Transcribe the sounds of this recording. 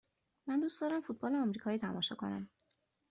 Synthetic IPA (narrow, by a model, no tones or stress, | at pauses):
mænd̪uːstd̪ɒːɾæmfut̪̚bɒːleɒmɾiːkʰɒːiːt̪ʰæmɒːʃɒ̰ːkʰo̞̰næ̰m